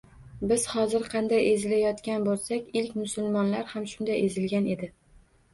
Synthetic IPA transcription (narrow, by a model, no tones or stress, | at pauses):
bɪz̥hɒzɪɾqʰɑnd̪ajʔezɪlajɒt̪kʲanbolˠsakʲɪlkʲmʊsʊlˠmɒnlaɾhamʃʊnd̪ajʔezɪlɡʲane̞d̪ɪ